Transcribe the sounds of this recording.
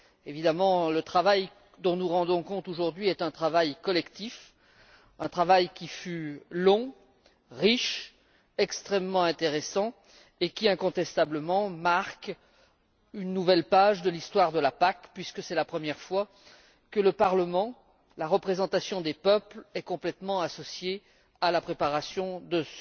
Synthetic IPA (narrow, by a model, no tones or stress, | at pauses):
evid̪amɑ̃lət̪χavaj | d̪ɔ̃nuʁɑ̃d̪ɔ̃kɔ̃t̪oʒuʁd̪ɥiɛt̪ɛ̃t̪χavajkɔlɛkt̪if | ɛ̃t̪χavajkʲifylɔ̃ | ʁiʃ | ɛkst̪χɛmːɑ̃ɛ̃t̪eʁesɑ̃ | ekʲiɛ̃kɔ̃t̪ɛst̪abləmɑ̃maʁk | ynːuvɛlpaʒd̪əlist̪waʁd̪əlapakpɥiskəsɛlapχəmjɛʁfwa | kələpaʁləmɑ̃ | laʁəpχezɑ̃t̪asjɔ̃d̪epœplɛkɔ̃plɛt̪mɑ̃asɔsje | alapχepaʁasjɔ̃d̪əs